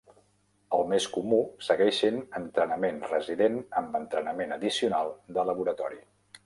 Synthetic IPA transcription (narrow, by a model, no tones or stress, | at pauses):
əlˠmeskumusəɣɛʃinənt̪ɾənəmenrəziðenəmbənt̪ɾənəmenəðisiunalˠd̪ələβuɾət̪ɔɾi